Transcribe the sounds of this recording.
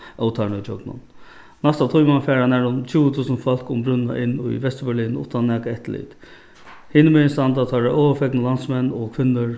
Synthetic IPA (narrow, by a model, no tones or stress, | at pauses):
ɔwt̪ʰaɳʊjd͡ʒɔɡnʊ̰n | nast̪at̪ʰujmanfɛːɾanɛɾʊnt͡ɕʰuːət̪ʰuːsənfɔl̥kʊmbɾʏnna̰ʔɪnːʊ̰jʋɛst̪ɾəbɛɭiːnʊ̰t̪anːɛːkaɛht̪lḭt̪ | hɪnəmɛnst̪and̪at̪ʰɑɾaoːʋəfɛknəlansmɛnːɔkʰʋɪnːəɹ